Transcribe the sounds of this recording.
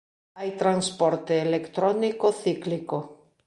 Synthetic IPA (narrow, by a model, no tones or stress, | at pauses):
ajt̪ɾanspɔɾt̪eːlekt̪ɾɔnikoθikliko